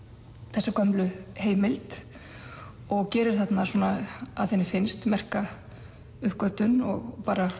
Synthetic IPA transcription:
θɛsːakʰœmlʏheːjmɪlt̪ | ɔɣcɛːɾɪɾ̥θat̪nasuːnaaðθɛnːɪfɪnst̪mɛr̥ka | ʏhkœt̪ʏnɔɣpaːɾa

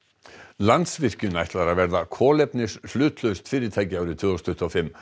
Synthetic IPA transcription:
lant̪svɪr̥cʏnajht̪laɾavɛɾðakʰɔːlɛpnɪsflʏːt̪lœɥst̪fɪːɾɪɾt̪ʰaːjcɪaːwɾɪt̪ʰvʏːɔst̪ʰʏht̪ɔfɪmː

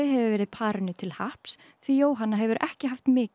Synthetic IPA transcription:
ɪɦɛvɪvɛːɾɪðpʰaːɾɪnːʏt̪ʰɪlhahps | θvijoːwɦanːaɦɛvʏɾʔɛ̰hcɪɦaft̪mɪːc

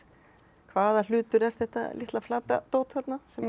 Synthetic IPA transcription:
kʰvaːðal̥ʏːt̪ʏɾɛɾ̥θɛht̪a̰lɪ̰ht̪laflaːt̪at̪oːwt̪θat̪nasɛm

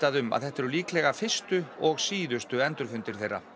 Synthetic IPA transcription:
t̪aðʏma̰ðθɛht̪ːɛɾʏliːklɛɣafɪ̥st̪ʏɔɣsiːðʏst̪ʏɛnt̪ʏɾ̥fʏnt̪ɪɾ̥θejrːa̰

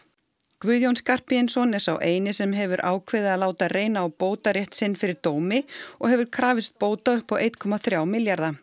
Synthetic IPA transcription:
kvʏðjownskar̥pɪɪnsɔnɛɾ̥sa̰wʔeːjnɪsɛmɦɛvʏɾʔa̰ːwkʰvɪðɪaːðlaːwt̪areːjnaːwpoːwt̪aɾjɛht̪sɪnːfɪɾɪɾt̪oːwmɪɔ̰ɣhɛvʏɾkʰɾaːvɪst̪̚poːwt̪aʏhpawʔejt̪kʰɔmaθɾjaːwmɪljaɾða

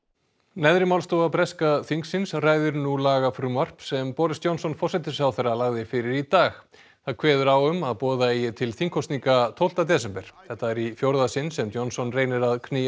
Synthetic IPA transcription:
nɛðɾɪmawlst̪owapɾɛskaθiŋksɪnsraːjðʏɾnulaːɣafɾʏmar̥psɛmpɔːɾɪst̪jownsɔnfɔr̥sɛt̪ɪsawθɛrːalaɣðɪfɪɾɪɾit̪aːx | θaðkʰvɛːðʏɾawʏmaðpɔːðaijɛt̪ʰɪlθiŋkʰːɔwst̪niŋkat̪ʰowl̥t̪at̪̬ɛːs̬ɛmpɛɾ̥θɛht̪ːaɛɾifjowɾðasɪnsɛmt̪jownsɔnreːjnɪɾaðkʰnɪː

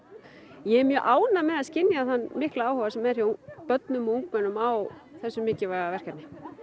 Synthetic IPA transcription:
jɛɛmjœːʔaːwnamɛðaðscɪnːjaθanːmɪhklaaːwhɔvasɛmːɛðɾipœt̪nʏmɔuŋkvɛnʏmawθɛsːʏmːɪːcɪvaɣavɛr̥kat̪nɪ

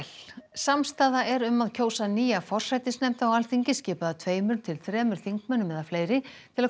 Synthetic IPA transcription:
lsamst̪aːðaʔɛɾʏmːaðcʰoːwsaniːjafɔr̥sajt̪ɪsnɛmt̪awalθiɲcɪscɪːpaðat̪ʰveːjmʏɾnt̪ʰɪlθɾɛːmʏɾ̥θiŋkmœnːʏmɛðafleːjɾɪtt̪ʰɪla

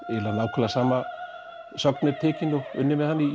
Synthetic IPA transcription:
ɛlanaːwkʰœlasaːma | sœknɛɾt̪ʰɛːcɪnʊʏ̰nːɪmɛðhanːɪ

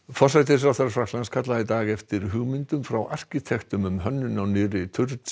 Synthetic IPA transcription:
fɔr̥sajt̪ɪsɾaθaɾfɾaklanskʰat̪laðɪt̪aːɣɛft̪ɪɾɦʏɣmɪnt̪ʏmfɾawʔa̰r̥cɪt̪ʰɛxt̪ʏmʏmɦœnːʏnawnɪːɾɪt̪ʰʏɾt̪

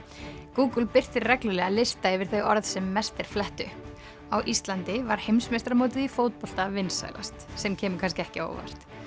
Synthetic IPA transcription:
kuːkʏlpɪr̥t̪ɪɾrɛklʏlɛɣalɪst̪aɛvɪɾ̥θeɣɔɾðsɛmːɛst̪ɛɾ̥flɛht̪ʏ | awʔist̪lant̪ɪvaɾ̥hejmsmest̪ɾamoːwt̪̬ɪðifowt̪̚pɔl̥t̪avɪnsa̰ːjla̰st̪sɛmcʰɛːmʏkʰanscɪɛhcɪo̰ːwva̰r̥t̪

